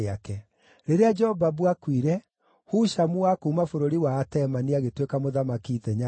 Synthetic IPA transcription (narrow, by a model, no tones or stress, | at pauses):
akɛ | ɾeɾead͡ʒɛhɔvabwakwiɾɛ | huʃamuwakuːmafoɾoɾiwaːtɛmaniaɣetwekamoðamakiðɛɲa